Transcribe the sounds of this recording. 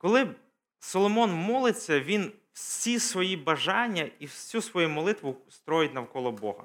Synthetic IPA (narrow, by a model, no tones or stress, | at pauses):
kɔlˠɪ | sɔlˠɔmɔnmɔlˠɪt͡sʲːɐʋʲin | w̥sʲisʋɔjibɐʒɑnʲːɐiwsʲusʋɔjumɔlˠɪt̪ʋʊst̪ɾɔjɪtʲnɐwkɔlˠɔbɔ̰ɦɐ̰